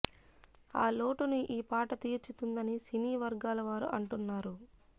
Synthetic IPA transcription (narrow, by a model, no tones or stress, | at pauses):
aːlo̞ːʈunuʔiːpaːʈɐt̪iːɾt͡ʃut̪und̪ɐnisiniːʋɐɾɡaːlɐʋaːɾṵʔɐɳʈunːaːɾu